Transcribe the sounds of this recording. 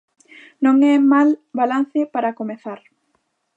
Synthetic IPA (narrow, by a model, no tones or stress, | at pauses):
nõŋɛmalbalan̟θɪpaɾakomeθaɾ